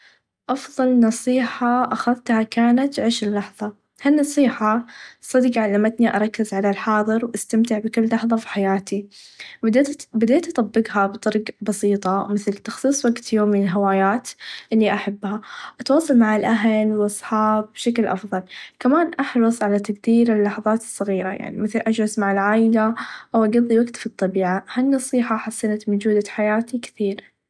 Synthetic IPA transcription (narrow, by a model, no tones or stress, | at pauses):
ʔɑfðˤɑlnɑsˤiːħɑʔaxaðt̪hakaːnat̪ʕɪʃɪlːɑħðˤɑ | hanːɑsˤiːħɑsˤɑd̪qʕalːamat̪niʔɑɾˤɑkːɪzʕalalħɑːðˤɨɾwʔast̪amt̪ɪʕbɪkʊlːɑħðˤɑfi̥ħajaːt̪id̪bɪd̪eːt̪ʔɑt̪ˤɑbːɪɡɦabt̪ˤɑɾˤɡbɑsiːt̪ˤɑmɪθlt̪ɑxsˤiːsˤwaɡt̪joːmːɪnɪlɦawaːjaːt̪ʔɪlːiʔaħabːhaʔat̪wɑːsˤɑlmaʕɪlʔaɦlwʔɑsˤħɑːbːʃaklʔɑ̰fðˤɑlkamaːnʔɑħɾˤɑsˤʕalat̪aɡd̪iːɾɪlːɑħɑðˤɑːt̪ɨ̥sˤːɑɣiːɾaja̰ʕnḭmɪθlʔad͡ʒɾɑsmaʕɪlʕaːjlaʔawʔaɡɑðˤːiwaɡt̪fit̪ˤːɑbiːʕahanːɑsˤiːħɑħasːɪnat̪mʊd͡ʒuːd̪aħajaːt̪ikɪ̥θiːɾ